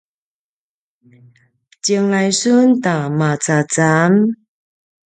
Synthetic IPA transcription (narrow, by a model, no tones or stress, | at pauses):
t͡ɕiəŋlajsuntamat͡sat͡sam